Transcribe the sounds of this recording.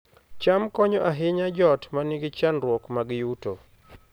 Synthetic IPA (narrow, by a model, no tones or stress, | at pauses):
t͡ʃamkɔɲɔʔaɦɪɲad͡ʒɔtmanɪɡɪt͡ʃanɾwɔkmaɡjuto